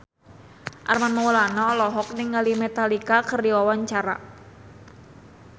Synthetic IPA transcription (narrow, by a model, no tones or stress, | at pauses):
ʔa̰rmanmawulanɔlɔɦɔk̚nɪŋːalimɛt̪alikakərdiɔwaɲt͡ʃaɾa̰